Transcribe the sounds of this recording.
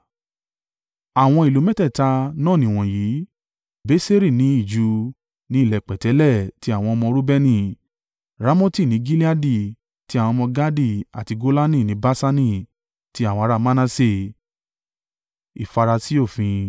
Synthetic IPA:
a˨w̃ɔ̃˧i˨lo˨˦mɛ̃˦tɛ˦˨ta˧nãː˦˨nĩ˨w̃ɔ̃˨ji˨˦ | be˦se˦ɾi˦˨nĩ˨˦i˦˨d͡ʒu˨˧˦ | nĩ˨˦i˦˨lɛ˨k͡pɛ˨tɛ˨˦lɛ˦˨ti˨˦a˦˨w̃ɔ̃˧ɔ˧mɔ̃˧ɾu˦bɛ˦nĩ˦˨ | ɾa˨˦mõ˦ti˦˨nĩ˨˦ɡi˦li˦a˦di˦˨ | ti˦a˨w̃ɔ̃˧mɔ̃˧ɡa˦di˦˨a˨ti˧ɡo˦la˦nĩ˦˨nĩ˨˦ba˦sa˦nĩ˦˨ | ti˨˦a˦˨wɔ̃˧ɾa˦˧mã˦nã˦se˦˨ | i˨fa˧ɾa˧si˦o˦˨fĩ˧

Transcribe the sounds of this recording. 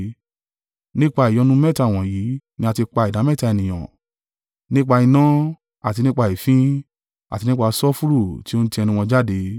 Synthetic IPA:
nĩ˦k͡pa˧i˨jɔ˧˦nũ˦mɛ˦˨ta˨w̃ɔ̃˨ji˨˦nĩ˦a˧ti˧k͡pa˧i˨da˨˦mɛ˦˨ta˨˧˨nĩ˨j̃ã̰˨ | nĩ˦k͡pa˧i˧nã˦ | a˨ti˧nĩ˦k͡pa˧i˨fĩ˦ | a̰˨ti˧nĩ˦k͡pa˧sɔ˦fu˦ɾu˦˨ti˦o˦ñ̩˦tĩ˧ɛ˧nĩ˧w̃ɔ̃˧d͡ʒa˦de˨˦

